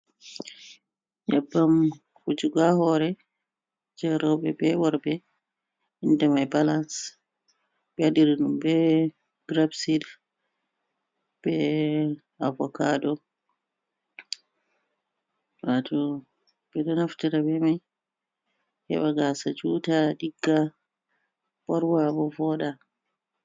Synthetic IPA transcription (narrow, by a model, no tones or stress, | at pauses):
jabːam | hud͡ʒuɡahɔɾɛ | d͡ʒɛɾɔbɛbɛwɔɾbɛ | indɛmajbalas | bɛadiɾinumbɛ | ɡ̥ɾabsid | b̥ɛ | avɔkadɔ | watɔ | bɛɗɔnaftiɾabɛmaj | hɛ̰ɓaɡasad͡ʒutadiɡːa | bɔɾwabɔvɔɗa